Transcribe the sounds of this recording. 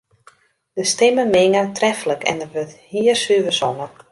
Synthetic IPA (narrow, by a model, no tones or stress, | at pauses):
d̥əstɪməmɪŋətrɛfələkʰɛ̰ndərʋøthiərsyʋəsɔnə